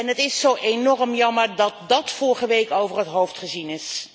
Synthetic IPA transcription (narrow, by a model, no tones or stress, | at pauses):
ɛnɦətɪsːowʔenɔrəmjɑməɹdɑt̚dɑtfʊɹχəʋejkowvərɦətɦowftχəzinɪs